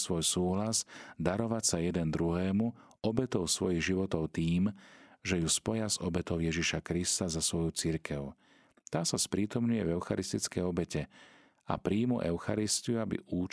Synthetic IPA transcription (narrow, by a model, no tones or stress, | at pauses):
sʋɔjsuːɦlazd̪aɾɔʋacsajɛd̪ɛnd̪ɾuɦɛːmu | ɔbɛt̪ɔʊsʋɔjiɣʒiʋɔt̪ɔʊt̪iːmʒɛjuspɔjazɔbɛt̪ɔʊjɛʒiʃakɾist̪azasʋɔjut͡siɾkʰɛʊ | t̪aːsaspɾiːt̪ɔmɲujɛvɛʊxa̰ɾist̪it͡skɛjɔbɛcɛ | a̰pɾiːmṵʔɛʊxa̰ɾist̪iuabḭʔuːt͡ʃ